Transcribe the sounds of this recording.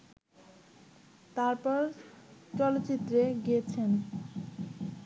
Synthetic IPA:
t̪aɾpɔɾt͡ɕɔlot͡ɕit̪ːɾeɡiet͡ɕʰen

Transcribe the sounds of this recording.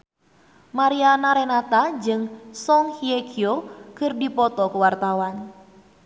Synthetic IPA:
maɾianaɾenat̪ad͡ʒɨŋsɔŋhiekʰiokɨrdipɔt̪ɔkuwart̪awan

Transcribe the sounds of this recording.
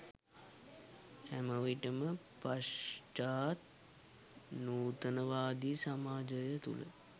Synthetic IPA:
æməʋiʈəmə | pasʈaːt̪̚ | nuːt̪ənəʋaːd̪isamaːd͡ʒəjət̪ṵlə̰

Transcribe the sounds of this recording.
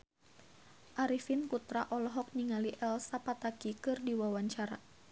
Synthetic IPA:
ʔaɾifinkut̪ɾaʔɔlɔɦɔk̚niŋaliʔɛlsapat̪akikɨrdiwawaɲt͡ʃaɾa̰

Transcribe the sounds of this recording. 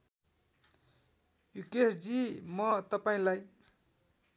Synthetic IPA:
jukesd͡zimʌt̪ʌpaĩlaj

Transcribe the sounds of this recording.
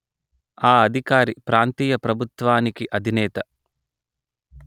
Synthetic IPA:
aːɐd̪ʱikaːɾipɾaːnt̪iːjɐpɾɐbʱut̪ʋaːnikiʔɐd̪ʱinɛːt̪ɐ

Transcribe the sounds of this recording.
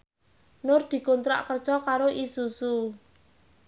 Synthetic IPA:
nʊrd̪̥i̤kont̪ɾa̰ʔkərd̥ʒ̥ɔkaɾoʔisusu

